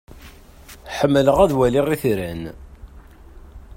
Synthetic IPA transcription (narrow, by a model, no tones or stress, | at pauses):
ħəmːələʁæðwælɪʁiθɾæn